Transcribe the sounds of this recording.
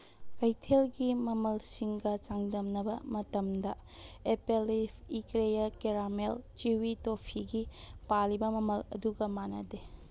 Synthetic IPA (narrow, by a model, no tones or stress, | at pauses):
kajtʰelɡimɐmɐlsiŋɡɐt͡ʃaŋdɐmnɐbɐ̰mɐtɐmdɐepelipʰikɾejɐkeɾamelt͡ʃiwitopʰiɡipalibɐmɐmɐlɐ̰duɡɐmanɐde